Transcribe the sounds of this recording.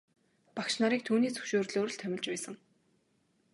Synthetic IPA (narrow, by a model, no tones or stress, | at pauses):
pakʃnaɾiːk̚t̪ʰuːniːt͡sʰɵ̥ʃoːrɮoːɾ̆ɮt̪ʰœmʲɪ̆ɮt͡ɕpæːsə̆ŋ